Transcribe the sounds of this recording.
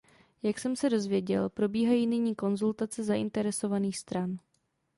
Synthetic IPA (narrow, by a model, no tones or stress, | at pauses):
jaksɛmsɛdo̞zvjɛɟɛlpɾo̞biːɦajiːnɪɲiːko̞nzult̪at͡sɛzaʔɪnt̪ɛɾɛso̞vaniːxst̪ɾan